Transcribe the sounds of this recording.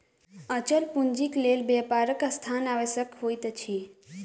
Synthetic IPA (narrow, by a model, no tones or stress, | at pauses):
ət͡ʃəlpund͡ʒikleːlbeːpaːɾəkast̪ʰaːnaːʋəsəkɦoːjt̪t͡ʃʰi